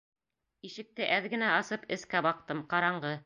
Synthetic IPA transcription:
iʃɘ̆k̚t̪ɘʔæðɡɘ̆næɑsɤpɘ̆skæbɑq̚t̪ɤmqɑɾɑɴɢɤ

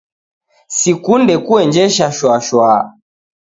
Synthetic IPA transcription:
sikundɛkuɛnd͡ʒɛʃaʃwaʃwa

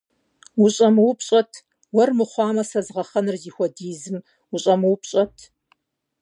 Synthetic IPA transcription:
wuɕʼɐmɨwʊpʰɕʼɐtʰ | wɐrmɨχʷɑːmɐsɐzʁɐχɐnɨrziːxʷɔdiːzɨm | uɕʼɐmɨwʊpɕʼɐtʰ

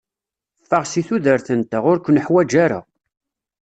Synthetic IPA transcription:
fːəʁsiθuðəɾθənt̪aʁʊɾkʷnəħwæd͡ʒaɾa̰

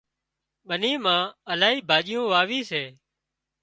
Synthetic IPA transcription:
ɓəniːmãːəlaːɦiːbʱaːʄɪjõːʋaːʋiːseː

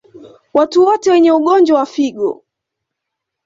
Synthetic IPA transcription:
watuwɔtɛwɛɲɛuɠɔnd͡ʒwawafiɠɔ̰

